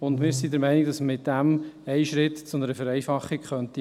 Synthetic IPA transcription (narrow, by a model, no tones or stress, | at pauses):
ʊnd̪mɪːɾsid̪əɾmɛɪniɡ̚d̥ɑsmɪt̚d̥æmɛɪʃɾɪt̪t͡sʊnəɾəfəɾɛɪfɑχːikχœnt̪i